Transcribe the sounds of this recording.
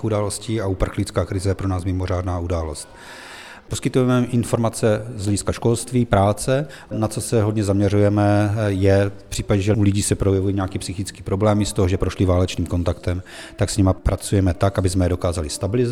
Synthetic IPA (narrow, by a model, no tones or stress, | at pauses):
xudaːlo̞sciːaupr̩xlɪt͡skaːkɾɪzɛjɛpɾonaːsmɪmo̞r̝aːdnaːudaːlo̞st̪̚ | poskɪt̪ujɛmɛʔɪnfo̞ɾmat͡sɛzlɛɟɪskaʃko̞lst̪viːpɾaːt͡sɛ | nat͡so̞sɛɦo̞dɲɛzamɲɛrujɛmɛjɛfpr̥iːpaɟɛʒɛulɪɟiːsɛpɾojɛvujiɲɛakiːpsɪxɪt͡skiːpɾo̞blɛːmɪst̪o̞ɦoʒɛpɾo̞ʃlɪvaːlɛt͡ʃniːmko̞nt̪akt̪ɛmt̪aksɲɛmapɾat͡sujɛmɛt̪akabɪzmɛdo̞kaːzalɪst̪abɪlɪz